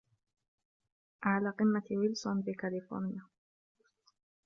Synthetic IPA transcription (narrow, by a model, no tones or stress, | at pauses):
ʔaʕlaːqɪmːat̪wɪlsʊnbɪkalɪfo̰ɾnɪja